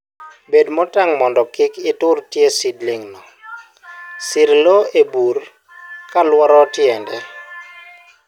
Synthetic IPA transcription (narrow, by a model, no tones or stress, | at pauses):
bedmɔtaŋmɔndɔkɪkɪtʊɾtjesidlɪŋnɔ | sɪɾloebuɾ | kalwɔɾɔtjɛndɛ